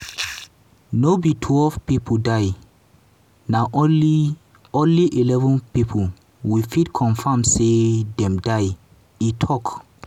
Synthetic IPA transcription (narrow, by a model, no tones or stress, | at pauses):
nobitʰwɛlvpipʰodaɪ | naʔi | õnliʔilɛvɔ̃npipʰo | wifitkʰɔ̃nfãmsedɛ̃mdaɪ | itʰɔk